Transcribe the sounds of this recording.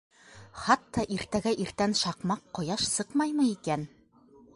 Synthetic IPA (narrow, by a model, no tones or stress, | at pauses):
χɑt̪ːɑʔiɾt̪æɡæʔiɾt̪ænʃɑqmɑqːɑjɑʃsɤqmɑjmɤikæn